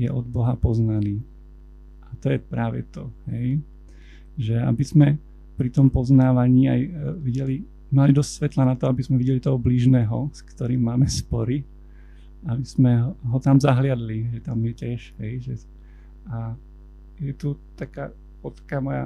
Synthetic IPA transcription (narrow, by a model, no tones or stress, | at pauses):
jɛ̰ʔɔd̪bɔɦapɔznaniː | ʔat̪ɔjɛpɾaːʋɛ̰t̪ɔhɛj | ʒɛa̰bizmɛ | pɾit̪ɔmpɔznaːʋaɲiːajʋiɟɛli | malid̪ɔstʲsʋɛt̪lanat̪ɔabizmɛʋiɟɛlit̪ɔɦɔbliːʒnɛːɦɔskt̪ɔɾiːmːaːmɛspɔɾi | abiz̥mɛɦɦɔt̪amzaɦlɪad̪liʒɛt̪amjɛcɛʃɦɛjʒɛ | a | jɛt̪ut̪aka̰ː | ɔt̪ḁkaːmɔja̰